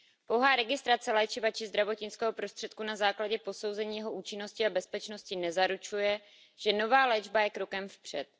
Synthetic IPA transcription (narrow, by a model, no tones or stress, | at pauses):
powɦaːɾɛɡɪst̪ɾat͡sɛlɛːt͡ʃɪvat͡ʃɪzd̪ɾavo̞t̪ɲɪt͡skɛːɦo̞pɾost̪r̥ɛt̪kunazaːklaɟɛpo̞so̞wzɛɲiːjɛɦo̞ʔuːt͡ʃɪno̞scɪabɛspɛt͡ʃno̞scɪnɛzaɾut͡ʃujɛ | ʒ̥ɛno̞vaːlɛːd͡ʒbajɛkɾo̞kɛmfpr̝̥ɛt̪̚